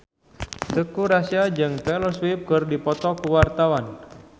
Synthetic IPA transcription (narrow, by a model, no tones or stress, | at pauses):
t̪əkuɾasiad͡ʒɨŋt̪ɛlɔswip̚kɨrdipɔt̪ɔkuwart̪awan